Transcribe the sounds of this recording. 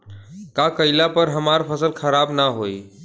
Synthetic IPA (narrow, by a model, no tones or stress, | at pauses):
kakəjlapəɾɦəmaɾpʰəsəlkʰəɾabnaɦoj